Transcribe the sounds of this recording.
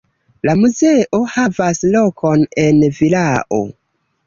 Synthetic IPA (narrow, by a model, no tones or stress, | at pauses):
lamuzeʔo̞havaslo̞kʰo̞ne̞nvilaʔo̰